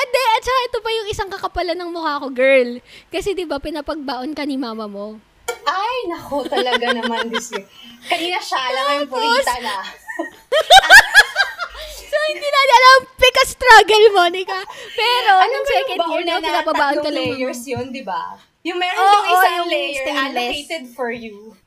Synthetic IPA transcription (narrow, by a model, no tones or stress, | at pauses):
ʔɐd̪ɛʔɐt̪̚t͡ʃɐkaʔɛt̪obɐjʊŋʔɪsaŋkɐkɐpɐlɐnɐŋmʊhaːɐko̞ɡɛɹlkɐsɛd̪ɪbapɪnɐpɐɡ̚baːʔonkɐnɪmaːmɐmo̞ | ʔajnɐkot̪ɐlɐɡanɐmand̪sɛkɐniːnɐʃalɐɐjʊŋpʊt̪ɐnɐ | sohɪnd̪iːnɐnɐɐlɐmpɛkɐst̪ɾaɡɐlmonɪkɐpɛːɾo̞nɐsɛkɐbnɐnɪnɐbɐbaːʔonk̪ɐlɐɡɛjɛɹsjond̪ɪba̰ | jʊŋmɛɾoːɪosajʊŋlɛjlɛet̪ɛd̪̚fɔɹju